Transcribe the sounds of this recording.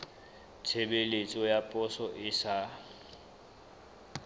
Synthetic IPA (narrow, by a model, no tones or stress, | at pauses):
t͡sʰebelet͡sʼɔjapʼɔsɔʔɪsa